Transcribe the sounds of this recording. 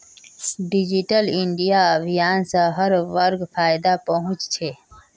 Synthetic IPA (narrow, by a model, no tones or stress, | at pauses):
ɖɪd͡ʒiʈəlɪɳɖijaɐbʱijaːnsaɦɐɾʋɐɾɡfaːjd̪apɐɦʊ̃t͡ʃt͡ʃʰe